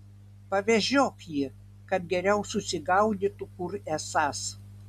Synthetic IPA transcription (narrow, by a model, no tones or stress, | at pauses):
pɐʋʲɛʒʲoːkjiː | kɐt̪̚ɡʲɛɾʲɛʊsʊsʲɪɡɐʊd̪ʲit̪ʊkʊɾɛsɑs